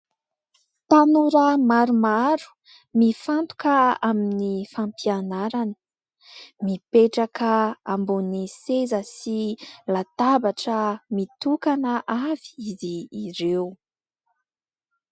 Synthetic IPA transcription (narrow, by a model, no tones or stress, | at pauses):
t̪anuɾəmaɾumaɾu̥ | mifant̪u̥kəaminifampianaɾani̥ | mipeʈ͡ʂakəambunisezəsilat̪abaʈ͡ʂəmit̪ukanəʔav̥i̥iziːɾew